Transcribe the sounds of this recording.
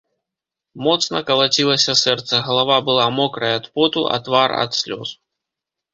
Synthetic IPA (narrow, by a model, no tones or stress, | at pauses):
mɔt̪snɐkɐlˠat͡sʲilˠɐsʲɐsɛrt̪sɐɣɐlˠavabɨlˠamɔkɾɐjɐt̪pɔt̪uʔɐ̰t̪varɐ̰t̪sʲlʲɔ̰s